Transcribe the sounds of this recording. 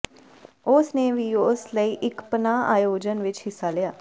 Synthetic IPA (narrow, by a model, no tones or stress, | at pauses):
ʊsneːʋiːʊsləiːʔɪkpənaːa̰ːjoːd͡ʒənʋɪt͡ʃɦɪsːaːlɪjaː